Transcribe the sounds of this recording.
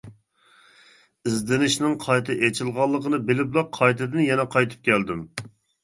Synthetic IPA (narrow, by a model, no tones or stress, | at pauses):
izd̪ɪnɪʃnɪŋqʰɑjt̪ʰɨʔet͡ʃʰɪlˠʁɑlˠːəqənɨbɪlɪplˠɑqʰːɑjt̪ʰɨd̪ɪnjɛnɛqʰɑjt̪ʰɨ̥p̚kʲʰɛld̪ɪm